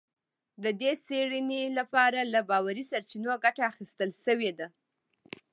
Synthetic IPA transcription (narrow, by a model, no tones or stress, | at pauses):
d̪əd̪eseɽinelapɑɾalabɑwaɾisaɾt͡ʃinoɡaʈaːxist̪əlʃəwed̪a